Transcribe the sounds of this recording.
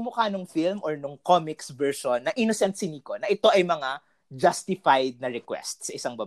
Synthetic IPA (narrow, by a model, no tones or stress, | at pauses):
mʊkanʊŋfilmʔɔɹnʊŋkomɪksvɛɹʃonːɐʔɪnosɛnt̪̚sɪniːkonɐʔɪt̪o̞ʔɐjmɐŋa | d͡ʒɐst̪ɪfajd̪̚nɐɾɛkwɛ̰st̪̚sɐʔɪsaŋbɐb